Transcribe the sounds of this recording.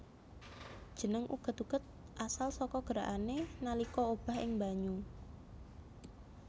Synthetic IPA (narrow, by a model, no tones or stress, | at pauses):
d̥ʒ̥ə̤nəŋʔṵɡ̥ə̤t̪uɡ̥ət̪̚ | ʔasalsɔkɔɡ̥əɾaʔanenalikɔob̥a̤hɪŋbaɲu